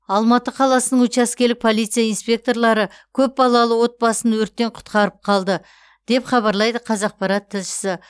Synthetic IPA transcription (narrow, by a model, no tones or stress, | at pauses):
ɑlˠmɑt̪əqʰɑlˠɑsənəɴwɵt͡ʃæskʲelɪk̚pʰo̞lˠijt̪sijainspʲe̞k̚t̪o̞rlˠɑɾə | kʲʰɵp̚bɑlˠɑlˠəwo̞t̪̚bɑsənwɵɾt̪ːe̞ɴqʰʊ̥t̪qɑɾəp̚qʰɑlˠd̪ə | d̪̥e̞pχɑβɑɾlˠɑjd̪əqʰɑzɑq̚pɑɾɑt̪ʰːɪzʃɪ̥sɪ